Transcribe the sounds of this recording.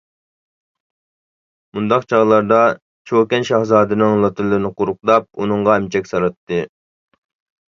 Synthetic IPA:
mund̪ɑqt͡ʃʰɑʁlˠɑɾd̪ɑ | t͡ʃʰokʲɛnʃɑhzɑːd̪ɨnɨŋlˠɑt̪ʰɨɾlˠɨɾnɨqʊɾʊq̚d̪ɑp̚unɨɴʁɑɛmt͡ʃʰɛkʲsɑɾɨt̪ʰːɨ

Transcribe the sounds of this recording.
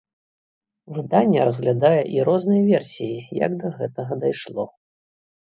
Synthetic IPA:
vɨd̪anʲːɐ̰ɾɐzɣlʲad̪ajɛʔiɾɔznɨjɐvʲɛrsʲijijɐ̰ɡd̪ɐɣɛt̪ɐɣɐd̪ajʂlˠɔ̰

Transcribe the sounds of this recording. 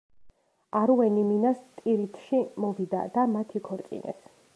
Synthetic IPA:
aɾuɛniminast̪ʼiɾit̪ʰʃimɔvid̪a̰d̪̥amat̪ʰikʰɔɾkʼḭnʔɛ̰t̪ʰ

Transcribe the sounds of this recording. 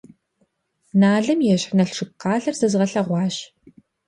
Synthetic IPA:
naːɮɐmjɛɕħnɐɬʂɨp̚qɑːɮɐrzɐzʁɐɬɐʁʷɑːɕ

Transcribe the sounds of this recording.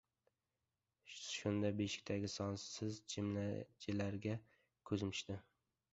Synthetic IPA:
ʃʊnd̪abeʃɪ̥k̚ʲt̪ʰaɡʲɪsɒnsɪzd͡ʒʰɪmlad͡ʒʰɪlaɾɡʲa | kʰɵzmɪ̥ʃt̪ɪ

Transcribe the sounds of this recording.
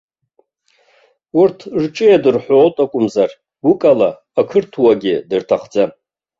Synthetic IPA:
urtʰrʈ͡ʂʼɨjadɨrħʷoːtʼakʷʼʊmzar | ɡʷʊkʼalaː | kʰɨrtʰwaɡʲɪdɨrtʰaχd͡za

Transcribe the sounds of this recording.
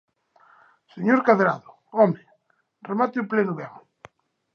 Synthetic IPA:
seɲoɾkaðeɾaðo | ɔme | remat̪euplenuβeŋ

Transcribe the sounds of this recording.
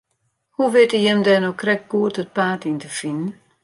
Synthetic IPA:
huʋɪtəjɛmdɛnokrɛk̚ɡ̥uətət̚paːtintəfinn̩

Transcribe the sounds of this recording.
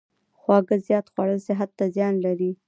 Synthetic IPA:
xwɑɡəzjɑt̪xwaɽəlsɪɦat̪ːazjɑnlaɾi

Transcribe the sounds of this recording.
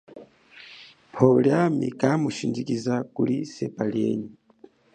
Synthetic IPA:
pʰoɡɾamḭkamuʃindikizakulisepaliḛɲi

